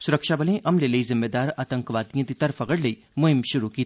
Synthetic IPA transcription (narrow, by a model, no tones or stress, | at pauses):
sʊɾəkʃabɐlẽʔɐmlelɐizɪmːeːd̪aːɾaːt̪ə̃ŋkʋaːd̪ijɐ̃d̪it̪ɐɾfɐɣəɽlɐi | mʊɦɪmʃʊɾukiː